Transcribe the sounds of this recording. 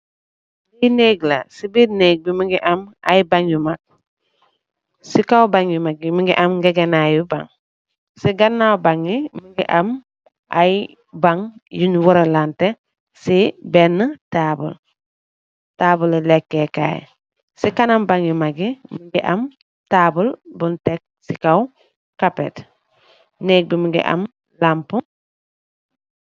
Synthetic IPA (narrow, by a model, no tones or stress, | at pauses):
bineɡla̰sibiɾneɡ̚bimiŋɡiʔama̰jbaŋjumak̚ | sikawbaŋjumaɡ̚imiŋɡiʔamɡeɡenajuba̰ŋ | siɡanːawbaŋimiŋɡḭʔam | a̰j | baŋjuɲwuɾalante | sibenːətabṵl | taːbullekːeka̰j̰ | sikanambaŋjimaɡimiɡiʔam | tabulbuntek̚sikaw | kapet | nek̚bimiɡḭʔa̰m | lampu